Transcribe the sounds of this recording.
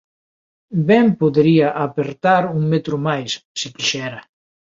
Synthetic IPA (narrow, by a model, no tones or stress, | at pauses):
bɛmpoðeɾiaʔapeɾt̪aɾuŋmet̪ɾumajssikiʃɛɾa